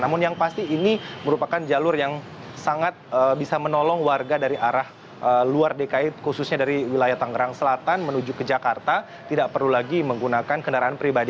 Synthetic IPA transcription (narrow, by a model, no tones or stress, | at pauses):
namʊnjaŋpast̪iːniməɾupakand͡ʒalʊrjaŋ | saŋat̪̚əbisamənɔlɔŋwarɡadaɾiʔaɾah | ʔəluardekaɪt̪̚kusʊsɲadaɾiwilajaht̪aŋɡəɾaŋsəlat̪anmənud͡ʒukəd͡ʒakart̪a | t̪idaʔ̚pərlulaɡiməŋɡunakankəndaɾaanpəɾibadi